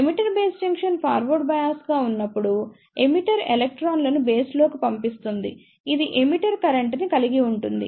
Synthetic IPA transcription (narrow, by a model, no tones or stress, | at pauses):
emiʈɐɾbe̞ːsd͡ʒɐŋkʂɐnpʰaːɾʋɐɾɖbɐjaːsɡaːunːɐpːuɽu | emiʈɐɾelek̚ʈɾaːnlɐnube̞ːsloːkipɐmpist̪und̪ḭ | id̪iʔemiʈɐɾkɐɾɐɳʈnikɐliɡiuɳʈund̪ḭ